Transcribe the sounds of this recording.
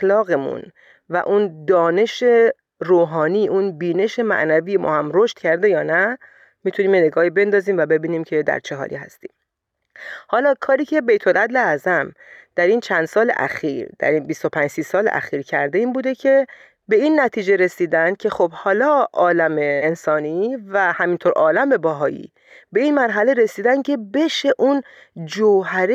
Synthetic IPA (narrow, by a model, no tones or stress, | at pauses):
xlɒːɣemṵn | væ̰ʔund̪ɒːne̞ʃe̞ | roːɦɒːniːʔunbiːne̞ʃe̞mæ̰ʔnæviːjemʔɒ̰ːhæmroʃt̪cʰæɾd̪e̞jɒːnæ | miːt̪ʰuniːmjene̞ɡɒːhibe̞nd̪ɒːziːmvæbe̞biːniːmcʰe̞d̪æ̰ɾt͡ʃʰeɦɒ̰ːɾḭɦæ̰st̪ḭːm | hɒːlɒːkʰɒːɾiːcʰe̞be̞jt̪ʰo̞lʔæd̪leæzæm | d̪̥æɾiːnt͡ʃʰænd̪sɒːlḛʔæ̰xiːɾd̪̥æ̰ɾinbist̪o̞pʰænd͡ʒsiːsɒːlḛʔæ̰xiːɾcʰæɾd̪eiːnbuːd̪ecʰe̞ | be̞inːæt̪ʰiːd͡ʒe̞ɾe̞siːd̪ænd̪̚cʲʰe̞xobhɒːlɒːɒːlæmeːnsɒːnivæhæmint̪ʰoɾʔɒːlæmbe̞bɒɦɒːjḭ | be̞inmæɾɦæle̞ɾe̞siːd̪ænd̪̥̚cʰe̞be̞ʃeʔun | d͡ʒoɦæɾe